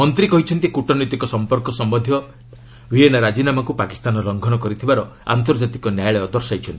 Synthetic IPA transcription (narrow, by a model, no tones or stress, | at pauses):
mɔnt̪ɾikɔɦit͡ʃʰɔnt̪ikuʈɔnit̪ikɔsɔmpɔɾkɔsɔmbɔd̪ʱjɔ | wienaɾad͡ʒinamakupaki̥st̪anɔɾɔŋɡʱɔnɔkɔɾit̪ʰibaɾɔ | a̰nt̪ɔɾd͡ʒat̪ikɔnjajɭɔɔd̪ɔɾsajt͡ʃʰɔnt̪i